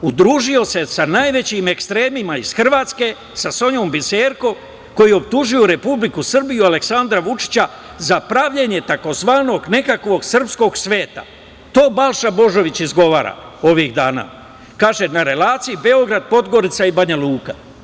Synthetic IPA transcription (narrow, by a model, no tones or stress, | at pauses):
ud̪ɾuːʒio̞se̞sanaːjʋe̞t͡ɕime̞kst̪ɾe̞ːmimaiz̥xr̩ʋaːt̪ske̞ | saso̞ɲo̞mbiseːɾko̞ | ko̞jio̞pt̪uʒujuɾe̞publikusr̩bijuale̞ksand̪ɾaʋut͡ʃi̥t͡ɕa | zapɾaʋʎeɲe̞t̪ako̞zʋaːno̞ɡne̞kakʋo̞ɡsr̩psko̞ɡsʋe̞ːt̪a̰ | t̪o̞ːbalˠʃabo̞ʒo̞ʋit͡ɕizɡo̞ʋaːɾa̰o̞ʋiɣd̪aːna̰ː | kaːʒe̞naɾe̞laːt̪sijibe̞o̞ɡɾad̪̚po̞d̪ɡo̞ɾit̪saibaɲaluːka